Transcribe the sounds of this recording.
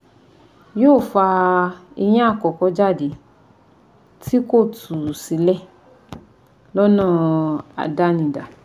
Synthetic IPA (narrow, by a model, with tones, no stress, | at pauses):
joː˦˨fa˧i˧j̃ĩ˦a˦˨kɔ˨kɔ˧˦d͡ʒa˦˨de˨˦ | ti˦ko˦˨tʰu˨si˨˦lɛ˦˨ | lɔ˦nɔ̃˦˨a̰˨da˦nĩ˨˧˨da˨